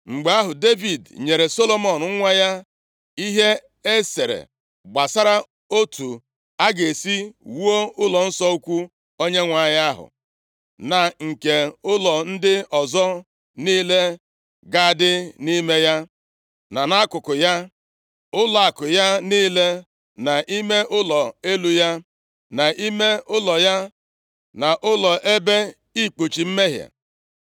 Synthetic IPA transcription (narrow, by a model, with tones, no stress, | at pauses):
ŋ͡m̩˨ɡ͡be˨˦a˦ɦʊ˨de˦vi˨dɲe˨ɾe˨so˦lo˦mɔ˨n˨˦ŋʷa˦ja˦ | i˦ɦe˦ | e˦se˨ɾḛ˨ | ɡ͡ba˨sa˦ɾa˦ | o˦tʰu˨ | a˦ɡe˨si˦wu˦o˦ʊ˦lɔ˨n̩˦sɔ˦u˦kʷu˦ | o˦ɲe˦ŋʷa˨˦˨ja˦ɦʊ̰˨ | na˨ŋ̩˨ke˨ʊ˦lɔ˨n̩˦dɪ˦ɔ˨zɔ˦ | niː˦le˦ | ɡa˦˨dɪ˦ni˦me˦ja˦ | na˨na˦a˦kʊ˨kʊ˨ja˦ | ʊ˦lɔ˨a˨kʊ˨ja˦niː˦le˦ | na˨ʔi˦me˦ʔʊ˦lɔ˨e˦lu˦ja˦ | na˨i˦me˦ʊ˦lɔ˨ja˦ | na˨ʔʊ˦lɔ˨ʔe˦be˦ | i˦k͡pu˨t͡ʃi˨m̩˦me˦ɦja̰˨